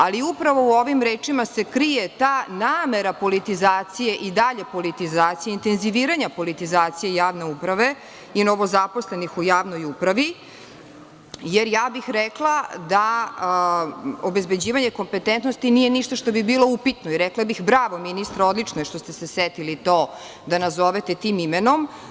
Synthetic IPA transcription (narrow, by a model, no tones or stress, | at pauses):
aliupɾaʋo̞uoʋimɾeːt͡ʂimase̞kɾijet̪aːnaːme̞ɾapo̞lit̪izaːt̪sije̞ʔid̪aʎe̞po̞lit̪izaːt̪sijeint̪e̞nziʋiːɾaɲapo̞lit̪izaːt̪sijejaːʋne̞upɾaʋe̞ | ino̞ʋozapo̞sle̞nixujaːʋno̞jupɾaʋi | jeɾjaːbixɾɛklˠad̪a | obezbe̞d͡ʑiːʋaɲe̞ko̞mpet̪ent̪nost̪inije̞niʃt̪aʃt̪o̞bibiːlˠo̞upit̪noiɾɛklˠabixbɾaːʋo̞minist̪ɾaod̪lit͡ʂnoeʃt̪o̞st̪eseset̪ilit̪oː | d̪anazoʋet̪et̪iːmimeno̞m